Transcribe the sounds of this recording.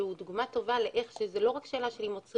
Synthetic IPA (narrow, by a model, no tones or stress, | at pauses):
eud̪uɡmat̪o̞valeʔeχʃezelo̞ʁakʃe̞ːlaʃeimot͡s